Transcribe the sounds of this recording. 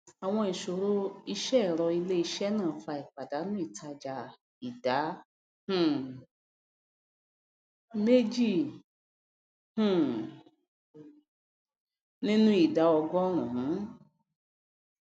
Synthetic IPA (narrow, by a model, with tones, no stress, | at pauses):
a˨w̃ɔ̃˧i˨ʃo˨ɾo˦i˧ʃɛ˦˨ɾɔ˧i˧le˦i˧ʃɛ˦nãː˦˨˦fa˧i˨k͡pa˨da˨˦nũ˦i˦˨tʰa˧d͡ʒa˧ | i˨da˨˦ | hũ˨ | me˦d͡ʒi˦˨ | hũ˦˨ | nĩ˦nũ˦i˨da˨˦ɔ˧ɡɔ˦ɾ̃ũ˨ɦũ˨˦